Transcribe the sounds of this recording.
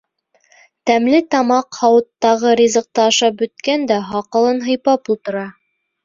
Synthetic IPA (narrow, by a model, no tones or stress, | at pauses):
t̪æmlɘt̪ɑmɑqhɑwɤ̆t̪ːɑʁɤɾʲizɤ̆q̚t̪ɑɑʃɑp̚bɵ̆t̪kænd̪æɦɑqɤ̆lˠɤnɦɤ̆jpɑpulˠt̪ɤ̆ɾɑ